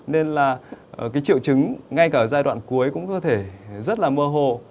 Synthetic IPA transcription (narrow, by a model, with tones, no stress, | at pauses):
ne˧nlaː˨˩˨kaː˨˦jt͡ɕḭ˧˨əwt͡ɕɨ˨˦ŋŋa˧jkaː˧˩˨zaː˧jɗwa̰ː˧˨nku˨˦əjkʊ̰˧˥ŋ͡mkɔ˨˦t̪ʰe˧˩zə˦˥t̚laː˨˩məː˧ɦo˨˩